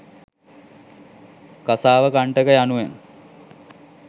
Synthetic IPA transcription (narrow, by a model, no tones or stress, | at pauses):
kasaːʋəkaɳʈəkəjanuʋeŋ